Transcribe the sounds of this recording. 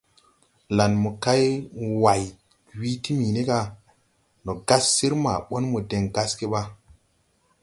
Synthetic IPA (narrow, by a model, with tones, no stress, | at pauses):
la˨nmu˨ka˦jwa˨j | wi˦ti˦mi˨ne˦ka˦ | no˨ɡa˦sːi˦ɾma̰˨ɓo˦nmu˨de˨ŋɡa˦ske˦ɓa˦